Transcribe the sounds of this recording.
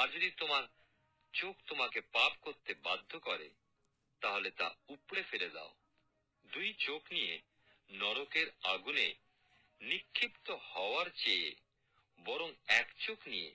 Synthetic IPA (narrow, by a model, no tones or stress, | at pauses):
ad͡ʑod̪it̪omaɾ | t͡ɕokt̪omakepapkoɾt̪ebad̪ʱːokɔɾḛ | t̪aɦolet̪a̰upɽefeled̪a̰o | d̪ujt͡ɕoknije | nɔɽokeɾaɡune | nikʰːipt̪ohɔoaɾt͡ɕeḛ | bɔɾoŋɛkt͡ɕoknijḛ